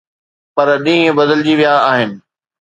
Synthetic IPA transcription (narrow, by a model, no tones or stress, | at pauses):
pɐɾɗĩːɦẽbɐd̪əld͡ʑiʋijaːɦɪnɪ̆